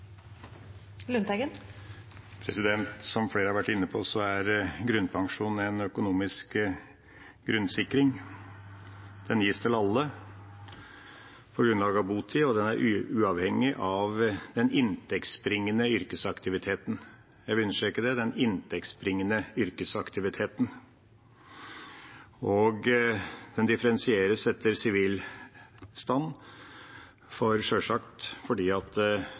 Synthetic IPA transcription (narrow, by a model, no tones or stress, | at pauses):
lʉnt̪ɛɡən | pʰɾɛsɪd̪ɛnt̪sɔmfeːɾəhɑɾʋæʈːɪnːəpʰɔsɔæɾɡɾʉnpʰɑŋʂuːnɛnœkʊnuːmɪsk | ɡɾʉnsɪkːɾɪŋ | d̪̥ɛnjiːst̪ʰɪlɑlːə | pʰɔɾɡɾʉnlɑːɡəɑʋbuːt̪ʰɪɔd̪ɛnæɾʔʉːɑʋhɛŋːɪʔɑʋd̪ɛnɪnt̪ʰɛkt̪sbɾɪŋːənəʏɾkəsɑkt̪ɪʋɪt̪ʰeːt̪n̩ | jæɪʋɪʉnːəʂɛkːəd̪ɛd̪ɛnɪnt̪ʰɛk̚t̪sbɾɪŋːənəʏɾkəsɑkt̪ɪʋɪt̪ʰeːt̪n | ɔɡd̪̥ɛnd̪ɪfəɾɛnsɪeːɾəsɛt̪ʰːəɾsɪʋiːl | st̪ɑnː | fɔɾʂœʂɑkt̪fɔɖiːɑt̪